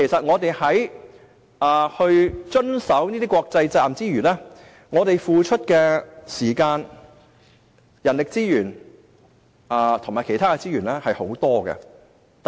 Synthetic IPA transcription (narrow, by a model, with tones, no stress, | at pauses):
ke˨˩sɐ˨t̚ŋɔː˨˧t̪e˨jhɐ˨˥j | ʔaː˨˩hɵ˧ɥt͡ʃɵ˥nsɐ˨˥wniː˥t̪iː˥kɔː˧k̚t͡sɐ˧jt͡sɐ˧lmt͡siː˥ɥyː˨˩nlɛː˥ | ŋɔː˨˧t̪e˨jfuː˨t͡ʃʰɵ˥t̚kɛː˧siː˨˩kaː˧n | jɐ˨˩nlɪ˨k̚t͡siː˥jyː˨˩n | aː˨˧t̪ʰʊ˨˩maː˨˩kʰe˨˩jt̪ʰaː˥kɛ˧t͡siː˥jyː˨˩nlɛː˥hɐ˨jho˨˥wt̪ɔː˥ɡɛ̰˧ | t̪